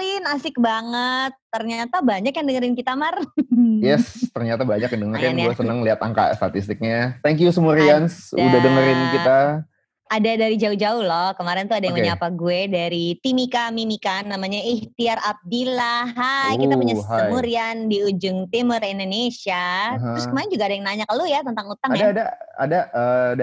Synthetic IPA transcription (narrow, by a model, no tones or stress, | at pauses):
lɪnasɪk̚baŋət̪ːərɲat̪abaɲakjaŋdəŋəɾɪnkit̪amarjɛst̪ərɲat̪abaɲakədəŋəɾkanuɛsənəŋliɦat̪a̰ŋka̰st̪at̪ist̪ɪk̚ɲat̪ɛŋk̬jusəmuɾiansṵdadəŋəɾɪnkit̪a | adadaɾid͡ʒauhd͡ʒaʊhlɔhkəmaɾɪnt̪uadajaŋmuɲaapaɡuedaɾit̪imikamimikanːamaɲaiht̪iarap̚dilahɦajkit̪apuɲasɦaəmuɾiandiud͡ʒʊŋt̪imərindonesiaɦɾʊskəmaɾɪnd͡ʒuɡaːdajŋnaɲaklujat̪ənt̪aŋut̪aŋadaːdaa̰daʔəːda